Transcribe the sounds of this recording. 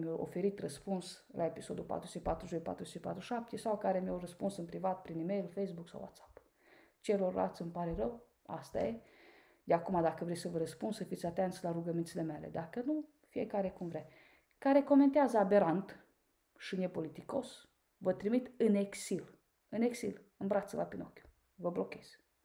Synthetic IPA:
mjewʔo̞̰fe̞ɾit̪rəspuns | lʔae̞piso̞d̪ulpa̰t̪ɾusəpa̰t̪ɾuzojpa̰t̪ɾuz̥t͡ʃipa̰t̪ɾuʃap̚t̪esawkaɾemjawrəspunsɨnpɾivat̪̚pɾinimejlfejsbuksa̰wa̰t̪sḁp | t͡ʃelo̞ra̰t̪sʲɨmpaɾe̞ɾəw | a̰st̪a̰je | d̪eakumad̪akəvɾejsəvəɾəspund̪səfit̪sʲat̪ent̪sʲlaɾuɡəmint̪sile̞melḛd̪akənu | fiekaɾe̞kumvɾej | kaɾe̞ko̞me̞nt̪eazəabe̞ɾant̪ | ʃinepo̞lit̪iko̞s | vət̪ɾimit̪ɨneksil | ɨneksilɨnbɾat̪səla̰pinokʲju̥ | vəblo̞kʲe̞z̥

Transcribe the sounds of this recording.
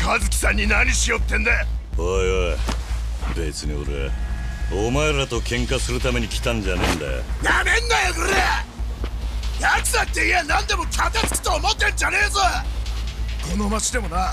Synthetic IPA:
kʰazɨkʲi̥sãɲ̟ːinaɲ̟iɕijo̞t̪ːẽ̞nd̪eojo | bet͡sɨɲio̰ɾḛ | omaeɾɾat̪okʰẽ̞ŋkasɨɾɯ̟t̪ame̞ɲ̟ikʲi̥t̪ãnɲd͡ʑanẽnd̪a̰jamẽ̞nːajoɡɯɾe | jat͡sɨd̪at̪ːeienãnd̪e̞mo̞t̪ʰat̪at͡sɨ̥kʲi̥t̪oːmot̪ːed͡ʑaneːzɨ | kʰo̞no̞mat͡ɕid̪e̞mo̞na

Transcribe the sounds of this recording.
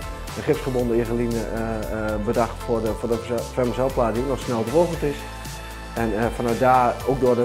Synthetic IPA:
əχɪpsfərbondəiɣəlinə | bədaxtfʊəfʊdəfɛməsɛlˠplaːdəinɔxsnɛlˠdroɣəl̩ˠtɪs | ɛnfanœɥt̚daːowk̚dʊədə

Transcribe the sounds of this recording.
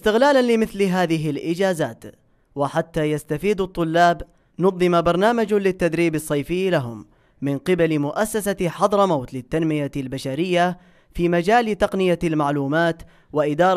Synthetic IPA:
ʔɪst̪ɪɣlaːlanlɪmɪθlɦaːðɪɦɪlʔɪd͡ʒaːzaːt̪ | wɪħat̪ːaːjast̪afiːd̪ɑt̪ˤːʊlːaːb | nʊd̪ˤːɨmabɑɾˤnaːmad͡ʒlɪt̪ːad̪ɾiːbɑsˤːɑjfɪjːlaɦʊmː | ɪnqɪbalɪmʊʔasːasaħɑd̪ˤɾˤmawt̪lɪt̪ːanmɪjalbaʃaɾɪjːa | fiːmad͡ʒaːlt̪ɑqnɪjalmaʕluːmaːt̪ | waʔɪd̪ɑːɾˤ

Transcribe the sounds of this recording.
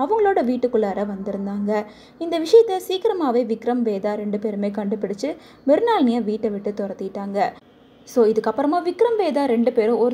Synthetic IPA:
ɐʋɐŋɡɐɭoːɽɐʋiːʈːɯkːɯɭɐːɾɐʋɐnd̪ɪɾɯnd̪aːŋɡɐ | ɪnd̪ɐʋɪʂɐjɐt̪ːɐsiːkɪɾɐmaːʋeːʋɪkɾɐmʋeːðaːɾɛɳɖɯpeːɾɯmeːkɐɳɖɯpːɪɽɯt͡ʃːɯ | ʋɛɾɯnaːlnɪjɐʋiːʈːɐʋɪʈːɯt̪ɔɾɐt̪ːɪɪʈːaːŋɡɐ | soːɪðɯkːɐpːɐɾɐmaːʋɪkːɾɐmʋeːðaːɾɛɳɖɯpeːɾɯ̃ɔɾ

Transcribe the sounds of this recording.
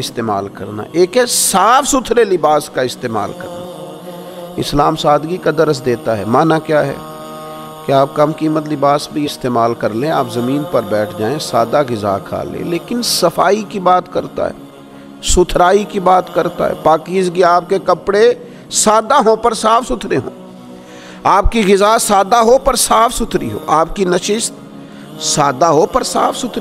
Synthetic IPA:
ɪst̪eːma̰ːlkɐɾna̰ʔeːkɛsaːfʰsʊt̪ʰɾelɪbaːskaɪst̪eːma̰ːlkɐ̰ɾna | ɪ̰slaːmsaːd̪ɡikad̪ɐɾəsd̪eːt̪aɦɛmaːnakjaːɦɛ̰ | keaːp̚kɐmkiːmət̪̬lɪbaːsbʱiɪst̪eːmaːlkɐɾlẽaːpzɐmiːnpɐɾbɛːʈʰd͡ʒaːẽsaːd̪aɡɪza̰ːkʰa̰ːlḛ̃leːkɪnsɐfaːikibaːt̪kɐɾt̪a̰ɦɛ̰ː | sʊt̪ʰɾaːikibaːt̪kɐɾt̪a̰ɦɛ̰ːpaːkiːzɡiaːp̚kekɐpɽe | saːd̪aɦõpɐɾsaːfʰsʊt̪ʰɾeɦõ̰ː | aːp̚kiɣɪzasaːd̪aɦopɐɾsaːfʰsʊt̪ʰɾḭɦo̰ːʔaːp̚kinɐʃɪst̪ | saːd̪aɦopɐɾsaːfʰsʊt̪ʰɾi

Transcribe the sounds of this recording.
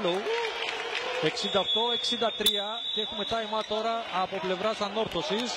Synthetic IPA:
lu | e̞ksind̪ɐoxt̪o̞e̞ksind̪ɐt̪ɾiɐ | ceexume̞t̪ɐimɐt̪o̞ɾɐːpo̞ple̞vɾɐsɐnːo̞ɾθo̞sis

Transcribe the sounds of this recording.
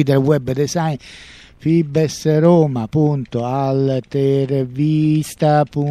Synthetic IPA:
id̪ɛlwɛbːd̪ɛsajn | fibɛsɾoːmapːunt̪oalt̪ɛɾvist̪apu

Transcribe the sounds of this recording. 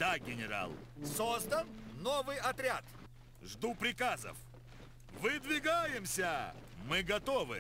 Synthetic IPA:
d̪aɡʲɪnʲɪɾa̰lˠsozd̪ənnovɨjɐt̪ɾʲat̪ | ʐd̪upɾʲɪkazə̰f | vɨd̪vʲɪɡajɪmsʲəmɨɡɐt̪ovɨ̰

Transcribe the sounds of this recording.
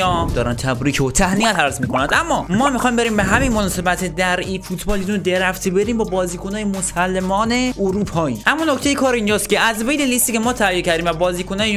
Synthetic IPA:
ɒːmd̪ɒːɾænt̪ʰæbɾiːcʰot̪ʰæhniæt̪hæɾzmiːkʰonænd̪ʔæmːɒːmɒːmixɒjmbe̞ɾiːmbeɦæminmonɒːse̞bæt̪ʰed̪æɾiːfut̪ʰbɒːlizunod̪eɾæft̪ʰibe̞ɾiːmbɒːbɒːziːkʰonɒːjemosælːemɒːne̞oɾuːpʰɒːiːʔæmːɒːnocʰt̪e̞jekʰɒːɾind͡ʒɒːst̪kʲe̞æzvejnelist̪iːcʰe̞mɒːt̪ʰæjecʰæɾd̪iːmvæbɒːziːkʰonɒːje

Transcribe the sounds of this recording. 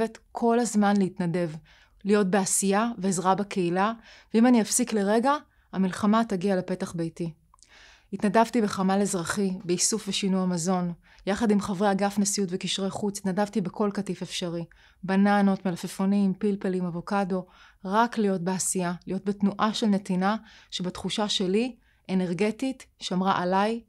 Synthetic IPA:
etkʰo̞lazmanleitnade̞v | lijo̞t̚beasijaveːzʁabakʰeilaveimaniafsikleʁe̞ɡa | amilχamataɡiale̞pe̞taχbejti | itnadavtibe̞χamalezʁaχibeisufveʃinujamazo̞n | jaχadimχavʁeaɡafnesijutvekiʃʁejχut͡si̥t̪nadavtibekʰo̞lkatife̞fʃaʁi | banano̞tmelafefonimpilpelimavo̞kado̞ | ʁaklijo̞t̚beasijalijo̞t̚betnuʔaʃe̞lne̞tinaʃebatχuʃaʃe̞li | ene̞ʁɡe̞titʃamʁaʔalaj

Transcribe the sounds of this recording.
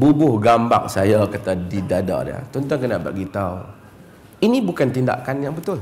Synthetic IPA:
bubʊhɡambak̚sajakat̪adidada̰ʔdə̰t̪ɔnt̪ɔŋkənaʔba̰ɡit̪au | inibukant̪inda̰ʔkanjaŋbət̪ʊl

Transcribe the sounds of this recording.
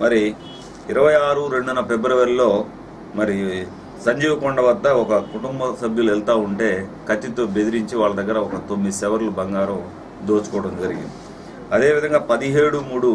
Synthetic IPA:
mɐɾi | iɾɐʋɐjaːɾuɾe̞ɳɖunɐpe̞bɾɐʋɐɾilo̞ː | mɐɾi | sɐɲd͡ʒiːʋɐkɔɳɖɐʋɐd̪ːɐɔkɐkuʈumbɐsɐbʱjɐlɛlt̪aːuɳʈe̞ːkɐt͡ʃːit̪o̞ːbe̞d̪iɾiɲt͡ʃiʋaːɭːɐd̪ɐɡːɐɾɐɔkɐt̪omːid̪sɛʋɐɾlubɐŋɡaːɾɐm | d̪oːt͡ʃu̥kɔːɐʈɐmd͡ʒɐɾiɡḭnd̪ii | ɐd̪e̞ːʋid̪ʱɐŋɡaːpɐd̪iɦe̞ːɽumuːɽu

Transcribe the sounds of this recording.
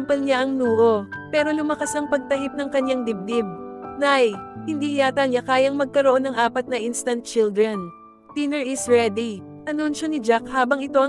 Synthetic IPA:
pɐlɲaʔɐŋnuːʔo̞pɛːɾo̞lʊmɐkasɐŋpɐɡ̚t̪ɐɦɪp̚nɐŋkɐɲjaŋd̪ɪb̚d̪ɪb̚najhɪnd̪iːhɪjaːt̪ɐŋɲakaːjɐŋmɐɡ̚kɐɾoʔo̞nɐŋʔaːpɐt̪̚nɐʔinst̪ɐnt̪̚t͡ʃɪld̪ɾɛn | t̪inɛɹɪsɹɛd̪i | ʔɐnunʃo̞nɪd͡ʒak̚haːbɐŋɪt̪o̞ʔɐ

